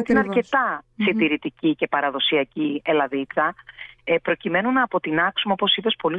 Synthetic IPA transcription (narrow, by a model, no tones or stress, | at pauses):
t̪inɐɾce̞t̪ɐsit̪iɾit̪icice̞pɐɾɐðo̞siɐcielɐðit͡sɐ | pɾo̞cime̞nunɐːpo̞t̪inɐksumeopo̞sipe̞spo̞li